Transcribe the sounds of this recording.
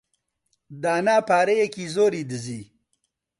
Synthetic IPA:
d̪aːnaːpaːɾejekizoːɾiːd̪əziː

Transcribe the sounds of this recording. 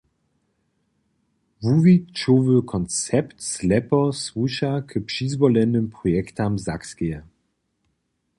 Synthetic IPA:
vuvitt͡ʃovəkʰɔnt͡sɛptslɛpɔswuʃakʰəpʂizvɔlɛnɘmpʁɔjɛktamzakskɛɛ

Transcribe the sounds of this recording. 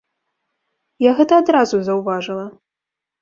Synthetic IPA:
jaɣɛt̪ɐːd̪ɾazuzɐwvaʐɨlˠɐ

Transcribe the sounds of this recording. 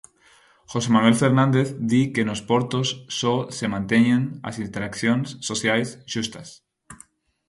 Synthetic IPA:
xosemanuwelfeɾnãnd̪eθd̪ikenospoɾt̪osːosemãnt̪eɲẽŋɐ̰sint̪eɾakθjõŋsːoθjajsʃust̪ɐs

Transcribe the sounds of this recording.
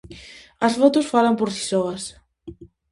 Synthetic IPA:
ɐsfɔt̪osfalɐmpoɾsi̥sɔɣɐs

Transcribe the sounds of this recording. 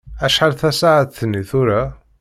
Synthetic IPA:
æʃħaɾθæsaʕat̪θənːiθʊɾæ

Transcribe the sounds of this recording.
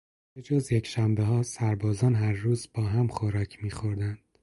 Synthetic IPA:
b̥ed͡ʒoːzjecʰʃæmbeɦɒːsæɾbɒːzɒːnɦæɾːuːzbɒːɦæmxoɾɒːcʰmiːxoɾd̪ænd̪̥

